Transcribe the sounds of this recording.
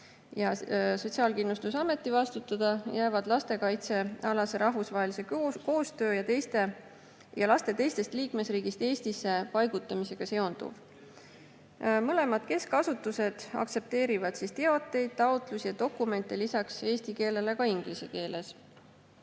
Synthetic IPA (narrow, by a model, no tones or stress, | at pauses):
jɑso̞t̪siɑːlkinlust̪usɑme̞t̪ːˑivɑst̪ut̪ːˑɑd̪̥ɑjæːvɑd̪̥lɑst̪e̞kɑjt̪se̞ɑlɑse̞ɾʔɑɦvusvɑɦe̞lise̞ko̞ːst̪ø̞ːjɑt̪e̞jst̪e̞ | jɑlɑst̪e̞t̪e̞jst̪e̞st̪liːkme̞sriːɡ̥ist̪e̞ːsʲt̪isːe̞pɑjɡut̪ːˑɑmise̞ɡ̥ɑse̞o̞nd̪̥ṵv̥ | mɤle̞mɑd̪̥̚ke̞skɑsut̪ːˑuse̞d̪̥ɑ̰kt̪se̞p̚t̪e̞ːɾivɑd̪̥sist̪e̞ot̪ːˑe̞jd̪̥̚t̪ɑot̪ˑlusijɑt̪o̞kːˑume̞nt̪ˑːelisɑkse̞ːst̪ike̞ːle̞lekɑiŋɡ̥lise̞ke̞ːle̞s